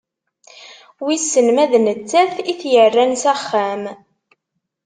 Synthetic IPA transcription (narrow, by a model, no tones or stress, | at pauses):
wisːənmæðnət͡sːæθiθjərːænsæχːæm